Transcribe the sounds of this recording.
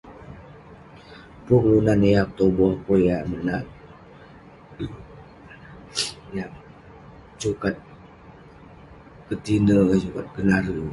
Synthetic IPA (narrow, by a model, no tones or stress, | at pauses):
puklunanejak̚t̪obɔhkojamənat̚ | ja | t͡ʃukat̪̚ | kət̪inəat͡ʃukat̪̚ɡənaɾə